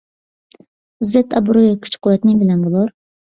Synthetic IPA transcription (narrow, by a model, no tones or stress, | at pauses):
zɛt̪ʰɑbuɾojkʲʰy̥t͡ʃqʰʊwɛt̪nɪŋbɪlɛnbolˠuɾ